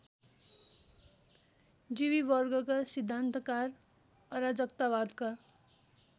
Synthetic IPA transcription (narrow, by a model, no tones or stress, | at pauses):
d͡ziβibʌrɡʌkasid̪ʱːant̪ʌkar | ʌɾad͡zʌkt̪aβad̪ka